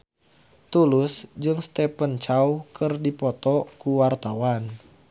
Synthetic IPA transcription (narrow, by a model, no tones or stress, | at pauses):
t̪ulʊsd͡ʒɨŋst̪ɛpənt͡ʃaukʰɨrdipɔt̪ɔkuwart̪awan